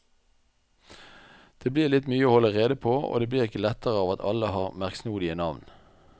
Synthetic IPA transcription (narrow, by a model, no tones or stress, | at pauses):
d̪̥eːbliːʁlɪt̪myːəoːhɔlːəʁeːd̪əpʰoːo̰ːd̪eːbliːʁɪkəlɛt̪əʁəɑːʋɑt̪ʰɑ̰ləhɑːʁmæʁksnuːd̪ɪənɑʋn